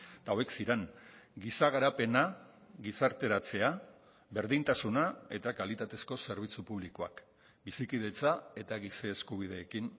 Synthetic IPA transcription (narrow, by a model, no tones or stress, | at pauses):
t̪aoeksiɾeŋɡisaɣ̞aɾape̞na | ɣisaɾt̪e̞ɾat͡se̞a | be̞ɾðint̪asunae̞t̪akalit̪at̪e̞sko̞se̞ɾβ̞it͡supuβ̞likoa̰k | bisikiðe̞t͡sae̞t̪aɣiseːskuβ̞ið̞e̞ːkin